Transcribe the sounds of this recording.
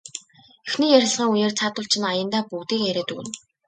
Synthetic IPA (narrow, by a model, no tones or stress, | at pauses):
exniːjæɾʲɪ̆ɮʁiːŋujeːrt͡sʰaːt̪ʊɬt͡ɕʰɪ̆najə̆nt̪aːput̪iːkæɾʲeːt̪ṵɘ̰̆n